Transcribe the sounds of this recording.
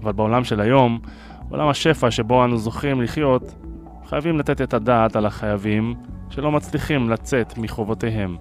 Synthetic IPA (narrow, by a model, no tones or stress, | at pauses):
avalbeo̞lamʃe̞lajo̞m | o̞̰lʔamaʃe̞faʃe̞bo̞anuzo̞χimliχjo̞t̪ | χajavimlat̪et̪e̞t̪ad̪aːt̪alaχajavimʃe̞lo̞mat͡sliχimlat͡se̞t̪miχo̞vot̪e̞ɦe̞m